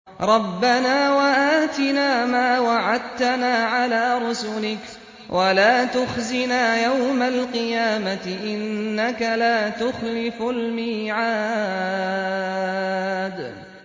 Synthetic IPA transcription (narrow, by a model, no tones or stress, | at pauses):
ɾˤɑbːanaːwaʔaːt̪ɪnaːmaːwaʕad̪̚t̪anaːʕalaːɾˤʊsʊlɪk | wʔalaːt̪ʊxzɪnaːjawmalqɨjaːmat̪ɪʔɪnːakalaːt̪ʊxlɪfʊlmiːʕaː | d̪